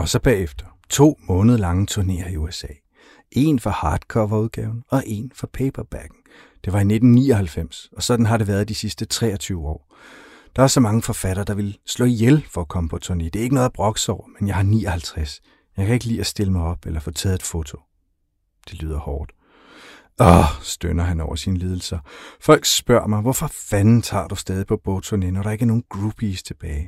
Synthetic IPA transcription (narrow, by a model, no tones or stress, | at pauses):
ɒ̽sɒ̽b̥ɛ̰ːefd̥ɐ̥ | t͡sʰo̝̰ːmɔ̽ːnðˠɐlɑ̈ŋət͡sʰuɐne̝̰ːɐiuesɛ̰ː | ʔe̝nfɑ̈hɑ̈ːd̥kʰɒ̰ːʋɑuðˠɡ̥ɛ̰ːʊn̩ɒ̽ʔe̝nfɒpʰeɪb̥ɐb̥æɡ̥n̩ | d̥e̝ʋɑ̈ine̝d̥n̩niːɒhælfem̰sɒ̽sɒ̽d̥n̩ɦɑ̈dɾe̝ʋæːɐðˠd̥isisd̥ət͡sʰʁɛ̰ːɒ̽t͡sʰyːʊəɒ̰ː | d̥ɑ̈æɐsɒ̽mɑ̈ŋəfɒ̽fæɾ̥ɐːd̥ɑ̈ʋe̝lslɔ̰̽ːijelfɒ̽ækʰɒ̽məpʰɒ̽t͡sʰone̝̰d̥e̝æɐeɡ̥ənɔ̽ð̥ˠɑb̥ʁɒ̽ɡ̥ə̥sɒʊ̰ɐmenjɑɪhɑ̈nḭːɒhælt͡sʰʁas | jɑɪkʰæe̝ɡ̥əlḭːæsd̥e̝ləmɑ̈ɪɒ̽b̥elɐfɔ̰̽ːt͡sʰɛːð̞̩ˠed̥fo̝t͡sʰo̝ | d̥e̝ly̰ːð̞̰ˠɐhɒːd̥ | ɒsd̥ønɐɦænɒʊ̰ɐsinəliːð̞ˠl̩sɐfɒ̽l̰ɡ̥sb̥ɶɐ̰mɑ̈ɪʋɒfɒ̽fænn̩t͡sʰɑ̰̈ːd̥usd̥ɛːðˠipʰɒ̽b̥ot͡sʰonenɒɾɑe̝ɡ̥æɐno̝ːn̩ɡ̥ʁub̥ʰist͡sʰe̝b̥ɛːɪ